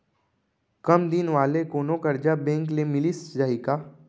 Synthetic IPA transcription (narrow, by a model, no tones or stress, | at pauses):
kəmd̪inʋaːlekoːnokɐɾd͡ʒabẽːŋk̬lemɪlisd͡ʒaːɦikaː